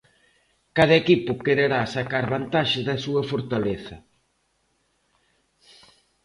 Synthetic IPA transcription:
kaðɐekipʊkeɾeɾasakaɾβant̪aʃɪzðɐsuɐfoɾt̪aleθɐ

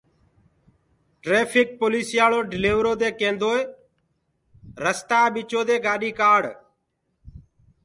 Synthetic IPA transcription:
ʈɾeːpʰɪk̚poːliːsɪjaːloːɖɪleːʋɾoːd̪eːkẽːnd̪oːe | ɾəst̪aːɓɪt͡ʃoːd̪eːɡaːɗiːkaːɽ

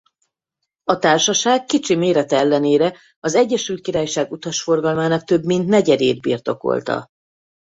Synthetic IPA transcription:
ɒt̪aːrʃɒʃaːɡːit͡ʃimeːɾɛt̪ɛɛlːɛneːɾɛ | ɒzɛɟːɛʃylt̪kiɾaːjʃaːɡut̪ɒʃfo̞rɡɒlmaːnɒk̚t̪ø̞bmint̪nɛɟɛd̪eːd̪bḭrt̪o̞ko̰lt̪ɒ̰

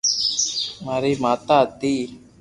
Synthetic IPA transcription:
maːɾiːmaːt̪aːt̪iː

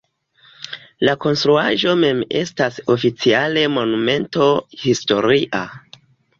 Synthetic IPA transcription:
lako̞nstɾuaʒo̞me̞me̞̰staso̞fit͡siale̞mo̞nume̞nto̞histo̞ɾiʔa̰

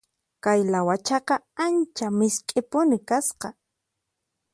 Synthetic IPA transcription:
kajlawat͡ʃɑqɑant͡ʃamɪskʼɪpʊnɪkasqɑ

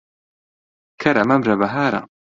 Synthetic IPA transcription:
kʰɐɾɐmɐmɾɐbɐɦaːɾa̰

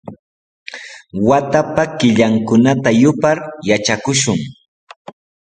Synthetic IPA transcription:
wat̪apakɪʎaŋkʊnat̪ajʊpaɾjat͡ʃakʊʃʊŋ

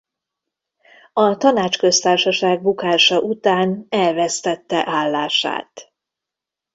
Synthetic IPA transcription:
ɒt̪ɒnaːt͡ʃkø̞st̪aːrʃɒʃaːɡ̚bukaːʃɒʔut̪aːnɛlvɛst̪ɛt̪ːɛʔaːlːaːʃa̰ːt̪

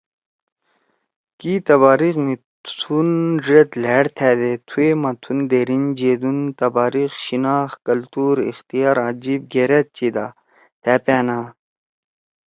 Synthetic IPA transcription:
kit̪ɐβaːɾixmi | t̪ʰunʐet̪leɽt̪ʰɛːd̪et̪ʰuemɐt̪ʰund̪eːɾind͡ʑeːd̪unt̪ɐbaːɾixɕinaːxkɐlt̪uːɾḭxt̪ijaːɾãːd͡ʑib̚ɡeɾet̪̚t͡ɕid̪a̰ | t̪ʰæːpæːna

